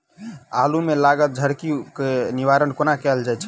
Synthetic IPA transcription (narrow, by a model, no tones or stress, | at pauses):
alumelaɡət̪̚d͡ʒʱəɾkikeniʋaɾənkonakɛld͡ʒajt͡ʃʰɛ